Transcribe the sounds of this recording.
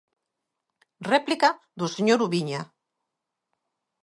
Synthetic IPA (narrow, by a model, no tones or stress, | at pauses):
rɛplika | ðoseɲoɾuβiɲa